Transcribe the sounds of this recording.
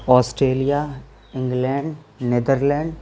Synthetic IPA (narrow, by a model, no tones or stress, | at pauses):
ɔːsʈɾeːlija | ɪ̃ŋɡlɛ̃ːɳɖ | ned̪əɾlɛ̃ːɳɖ